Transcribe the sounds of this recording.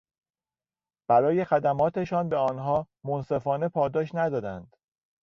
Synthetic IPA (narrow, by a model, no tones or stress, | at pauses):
b̥æɾɒːje̞xæd̪æmɒːt̪ʰeʃɒːnbe̞ɒːnɦɒː | monse̞fɒːne̞pʰɒːd̪ɒːʃnæd̪ɒːd̪ænd̪̥